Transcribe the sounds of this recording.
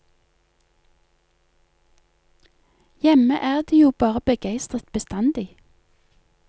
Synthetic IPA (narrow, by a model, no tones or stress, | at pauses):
jɛməʔæːʁd̪iːjuːbɑːʁəbəɡæɪst̪ʁət̪bəst̪ɑnd̪ɪ